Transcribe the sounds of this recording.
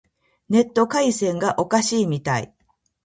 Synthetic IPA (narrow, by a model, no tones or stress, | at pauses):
ne̞t̪ːo̞kaisẽ̞ŋɡaʔo̞kaɕiːmʲit̪aḭ